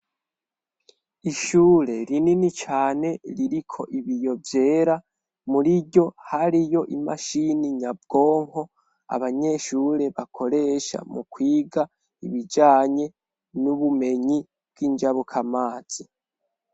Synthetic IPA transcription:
iʃuːɾe̞ɾininit͡ʃaːne̞ɾiɾikʰo̞ʔiβijo̞vje̞ːɾa | muɾiɟo̞haɾijo̞ʔima̰ʃiniɲab̚ɡo̞ːŋho̞ | a̰βaɲe̞ʃuɾe̞βakʰo̞ɾe̞ʃa̰mukwiːɡa | iβid͡ʒaːɲe̞ | nuβume̞ɲi | b̚ɡ̥iːnd͡ʒaβukʰamaːz̥i

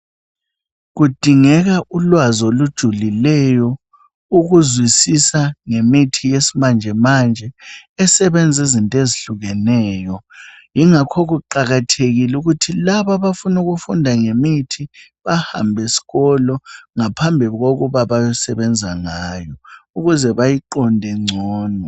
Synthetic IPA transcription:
ɣud̥ʱiŋɛɣaʔulwazolud̥ʒ̥ʱulilɛjɔ | uɣuzwisisaŋemitʰijesimand͡ʒʱɛmand͡ʒʱɛɛsɛβɛnd͡zʱezintʼeziɬuɣɛnɛːjɔ | jiŋakʰoɣuǃaɣatʰeɣiluɣutʰilaβaβafunuɣufundʱaŋemitʰi | βaha̰mbʱesi̥ɣɔlɔŋapʰambʱiɣoɣuβaβajɔsɛβɛnd͡zʱaŋaːjɔuɣuzɛβajiǃɔndʱɛŋ͡ǀʱɔːnɔ

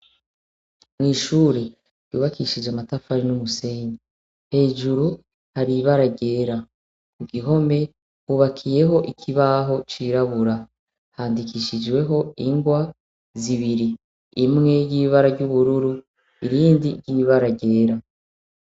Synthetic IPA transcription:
mŋiːʃuːɾe̞ | ɾjṵːβakiʃid͡ʒamatafaɾinumuse̞ɲi | he̞ːʒuɾu | haɾiβaɾaɟe̞ːɾa | kuɡiɦo̞me̞ | huːβakʰije̞ɦo̞ʔikʰiβaɦo̞t͡ʃiːɾaβuɾa | haːndikiʃid͡ʒwe̞ɦo̞iŋɡwa | ziβiɾiː | mŋe̞jiːβaɾaɟuβuɾuɾu | iɾiːndiɾɟiːβaɾaɟe̞ːɾa

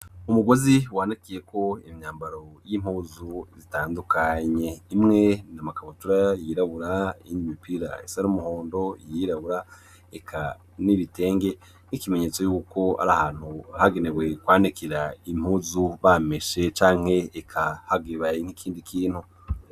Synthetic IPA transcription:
umuɡo̞ziwaːnikije̞ko̞imɲaːmbaɾo̞jimuːzuzitaːndukʰaɲe̞imŋe̞namakaβutuɾajiɾaβuɾaiɲimipiɾa̰ḭsaɾumuhoːndo̞ijiɾaβuɾa | ekʰa | niβite̞ːŋɡe̞ | nikime̞ɲe̞ːt͡so̞juːko̞a̰ɾahaːn̥huahaɡe̞newe̞kwaːnikiɾaim̥huːzuβameʃe̞t͡ʃaːŋ̥he̞ːkʰahaɡeβain̥ikʰiːndikʰiːn̥hu

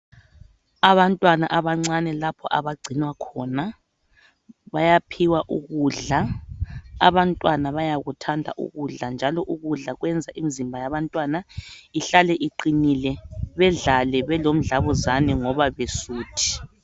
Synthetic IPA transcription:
aβantʼwanaʔaβaŋ͡ǀanɛlapʰɔʔaβaɡ͡ǀʱinwakʰɔːna | βajapʰiwaʔuɣuɮa̰ː | βantʼwanaβajaɣutʰandʱa̰ʔṵɣuɮand͡ʒʱalɔʔuɣuɮaɣwɛnd͡zʱaʔimizimbʱajaβantʼwanaiɬalɛʔiǃinilɛβɛɮalɛβɛlom̩ɮaβuzanɛŋɔβaβesuːtʰi̥

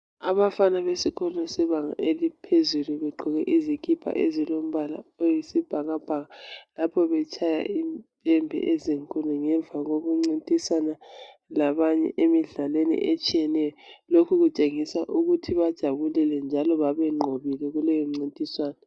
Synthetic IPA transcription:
aβafanaβesikʰɔnɔsɛβaŋa̰elipʰezuluβɛɡ͡ǃʱɔɣɛʔizikʰʼipʰa̰ʔezilom̩βala̰ojisib̥ʱaɣab̥ʱaɣalapʰɔβɛt͡ʃʰʼaja̰ʔimpʼɛmbʱɛ̰ʔɛziŋkʼunɔŋɛɱvʱaɣoɣuŋ͡ǀintʼisana | laβaɲɛ̰ʔemiɮalwenḭʔet͡ʃʼijɛnɛjɔlokʰuɣut͡ʃʼeŋisaʔuɣutʰiβad̥ʒ̥ʱaβulɛlɛnd͡ʒʱalɔβaβɛŋ͡ǃʱoβilɛɣulɛjɔm̩ŋ͡ǀintʼiswaːnɔ

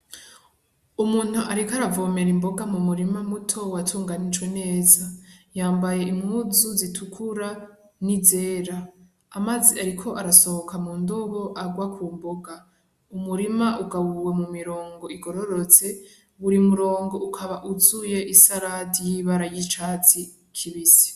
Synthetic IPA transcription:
umuːn̥huʔaɾikaɾavo̞me̞ɾimbo̞ɡamumuɾimamutʰo̞watʰuːŋɡanid͡ʒwe̞ne̞ːzajaːmbaje̞imhuzuzitʰukʰuɾa | nize̞ːɾaː | maziaɾikʰo̞ʔaɾaso̞hokʰamuːndoβo̞ʔaɡwakʰuːmbo̞ɡa | umuɾimaʔuɡaβuwe̞mumiɾo̞ːŋɡo̞iɡo̞ɾoɾo̞t͡se̞ | βuɾimuɾo̞ːŋɡo̞ukʰaβaʔuzuje̞ʔisaɾadijiβaɾajit͡ʃaːt͡si | kʰiβisi̥

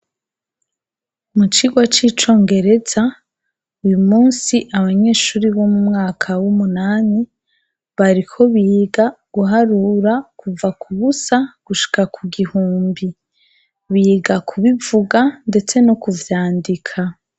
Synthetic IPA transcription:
mut͡ʃiɡwat͡ʃiːt͡ʃo̞ːŋɡe̞ɾe̞za | ujumuːnsiʔaβaɲe̞ːʃuːɾiβomumŋaːkʰawumunaːni | βaɾikʰo̞βiɡaɡ̥uɦaɾuɾakuvakʰuβusaɡ̥uʃi̥kakʰuɡihuːmbi | βiɡakʰuβivuɡande̞t͡se̞nokuvjaːndikʰa

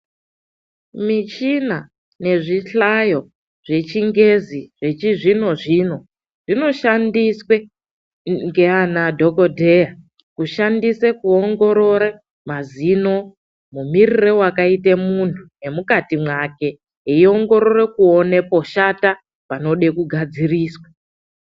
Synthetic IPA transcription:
mit͡ʃina | ne̞ʐiɬajo̞ | ʐ̥e̞t͡ʃiŋɡe̞ziʐ̥e̞t͡ʃiʐino̞ʐiːno̞ | ʐ̥ino̞ʃandiswe̞ | ŋɡe̞anadʱo̞kodʱeja | kuʃandisekuoŋɡo̞ɾo̞ɾe | mazino̞ | mumirirewakaite̞muntʰune̞mukatimwake̞ | eio̞ŋɡo̞ɾo̞re̞kuone̞po̞ʃata | pano̞ɗe̞kuɡʱad͡ziriːswa

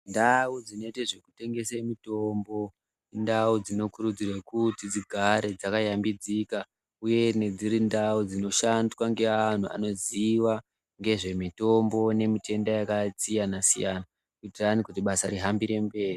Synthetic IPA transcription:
ndaud͡zineteʐe̞ku̥te̞ŋɡe̞semito̞mbo | ndaud͡zino̞kuɾud͡zirakutid͡ziɡʱaɾe̞d͡zakajambid͡zika | uje̞ne̞d͡ziɾindaud͡zino̞ʃandwaŋɡe̞an̤uʔa̰no̞ziwa | ŋɡe̞ʐe̞mito̞mbo̞ne̞mite̞ndajakat͡sijanasijana | kuitiranikut̬iɓasaɾiɦambiɾe̞mbe̞ːri

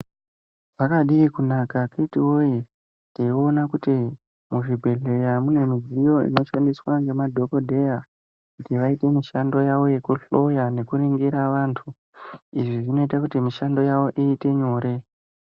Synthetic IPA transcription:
ʐ̥akaɗiːkunakaketiwoi | teio̞nakuti | muʐibʱe̞ɮe̞jamune̞mizijo̞ḭno̞ʃandiswaŋɡe̞madʱo̞ko̞dʱe̞ja | kutiʋaite̞miʃando̞jaʋo̞je̞kuɬo̞jane̞kuɾiŋɡiɾaʋantʰu | iʐiʐino̞itakutimiʃando̞jaʋo̞ʔiːte̞ɲo̞ːɾe̞

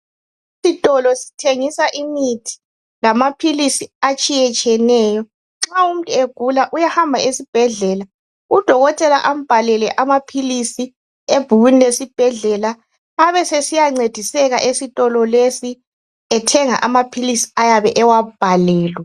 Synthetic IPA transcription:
isitʼɔlɔsi̥tʰeŋisaʔimitʰi̥ | lamapʰilisiat͡ʃʼijɛt͡ʃʼɛnɛːjɔ | ŋ͡ǁaum̩tʼueɡ̥ʱulaʔujahambʱaesib̥ʱɛɮɛla | ud̥ʱɔɣɔtʼɛla̰ʔam̩b̥ʱalɛlɛʔamapʰilisi | eb̥ʱuɣwinilesib̥ʱɛɮɛlaː | βɛsesijaŋ͡ǀed̥ʱisɛɣa̰ʔesitʼɔlɔlesi | ɛtʰɛŋa̰ʔamapʰilisi̥ajaβɛʔɛwab̥ʱalɛːlwɛ

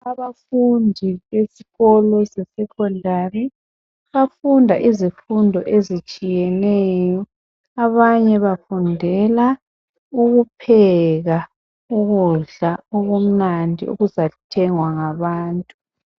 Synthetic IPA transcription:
aβafundʱiβesiɣɔlɔsɛsɛkʰɔndʱari | βafundʱaʔizifundʱɔʔezit͡ʃʼijɛnɛːjɔ | aβaɲɛβafundʱɛla | uɣupʰɛɣa | uɣuɮaɔɣom̩nandʱḭṵɣuzatʰɛŋwaŋaβaːntʼu

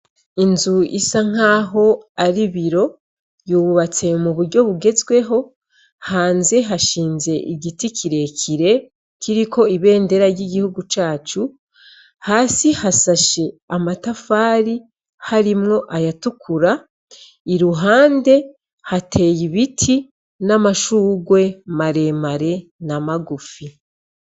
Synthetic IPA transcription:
inzuisaŋ̥aːɦo̞aɾiβiɾo̞ | juːβat͡se̞muβuɾɟo̞βuɡe̞zɡwe̞ɦo̞ | haːnze̞ɦaʃiːnze̞ʔiɟitikʰiɾe̞kʰiɾe̞ | kʰiɾikʰo̞iβe̞ːnde̞ɾaɾɟiɡihuɡut͡ʃaːt͡ʃu | haːsihasaʃe̞amatafaːɾi | haɾimŋo̞ʔajatukʰuɾa | iɾuɦaːnde̞ | hatʰe̞ːjiβitʰi | namaʃuːɡwe̞maɾe̞maɾe̞namaɡufi

